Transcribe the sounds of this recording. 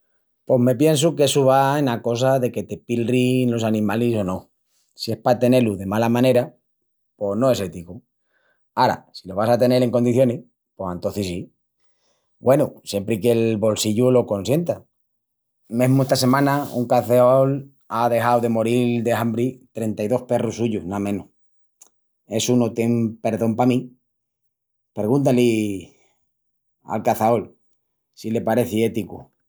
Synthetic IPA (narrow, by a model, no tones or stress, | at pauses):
po̞ɦme̞pje̞ns̬uke̞suβaenako̞s̬aðe̞ke̞t̪e̞pilrinlo̞sanĩmaliso̞nõ̞ | sie̞spat̪e̞ne̞luðe̞malamãne̞ɾa | po̞znoe̞se̞t̪iku | aɾa̰silo̞β̞asat̪e̞ne̞ɾe̞ŋko̞nd̪iθjo̞ni | po̞sent̪o̞θisi | bwe̞nusje̞mpɾike̞lβo̞lsiʝulo̞ko̞nsje̞nt̪a | mẽɦmoest̪ase̞mãnaṵŋkaθeol | aðe̞xawðe̞mo̞ɾild̪e̞ɦambɾit̪ɾe̞nt̪ajðo̞hpe̞rusuʝuhnamẽnu | e̞sunot̪je̞mpe̞ɾðo̞mpamĩ | peɣunt̪̬ali | a̰lkaθaol | sile̞paɾe̞θie̞t̪ikṵ